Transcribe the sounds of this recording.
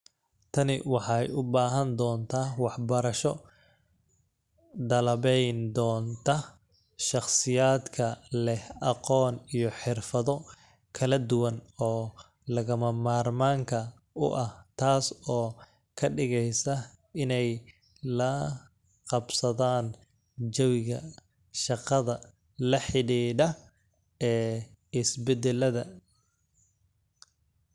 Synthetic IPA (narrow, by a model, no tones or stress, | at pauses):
t̪ʰɐnɪ̰wɑħɑjʊbaːɦɐnd̪ɔːnt̪ʰaːwɑħbɐɾɐʃɔ | d̪ɐlɐβɛjnd̪ɔːnt̪ʰɐ | ʃɑχsɪjaːd̪kʰɐlɛhɑqɔːnijɞħɪrfɐðɔ | kʰɐlɐd̪ʊwɐnɔː | lɐɣɐmɐmaːrmaːŋkʰɐ | ʊ̰ʔɐht̪ʰaːsɔː | kʰɐɖɪɣɛjsɐ | ɪnɛj | lɐ | qɑbsɐðaːn | d͡ʒɔwɪɣɐ | ʃɑqɑðɐ | lɐħɪɽiːɖɐ | ɛː | ɪsbɛd̪ɛlɐðɐ